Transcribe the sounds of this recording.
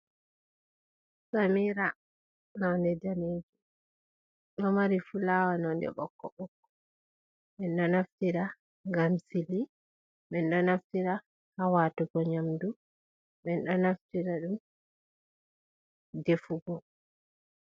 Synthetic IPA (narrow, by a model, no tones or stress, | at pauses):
samiɾa | nawndɛdaneːd͡ʒu | ɗɔmaɾifulaːwanɔndɛ̰ɓɔ̰kːɔɓɔkːɔ̥ | ɓɛnɗɔnaftiɾa | ŋɡamsili | ɓɛnɗɔnaftiɾa | hawatuɡɔɲamdu | ɓɛnɗɔnaftiɾaɗum | defuɡɔ